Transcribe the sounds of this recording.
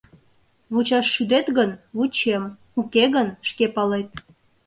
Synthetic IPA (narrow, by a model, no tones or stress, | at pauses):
βut͡ɕɑʃːyd̪et̪ɣənβut͡ɕem | ukeɣənʃkepɑlet̪̚